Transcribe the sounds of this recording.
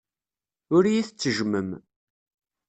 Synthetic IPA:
ʊɾjiθət͡sːəʒməm

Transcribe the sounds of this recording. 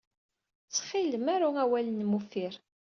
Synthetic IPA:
t͡sːχiləmæɾuæwælənmufiɾ

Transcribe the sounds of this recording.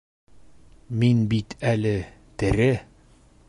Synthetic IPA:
minbit̪ʰælɘ | t̪ɘ̆ɾɘ

